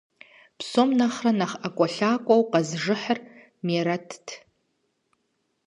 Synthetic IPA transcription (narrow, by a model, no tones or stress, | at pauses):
pʰsomnaχranaχakʷʼɔɬaːkʷʼowqazʐɨħər | meɾatʰtʰ